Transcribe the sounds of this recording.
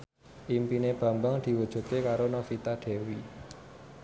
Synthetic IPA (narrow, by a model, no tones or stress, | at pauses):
ʔimpineb̥ä̤mbaŋd̪̥i̤wud̥ʒ̥ṳt̪ekaɾonɔfit̪aɖ̥e̤wi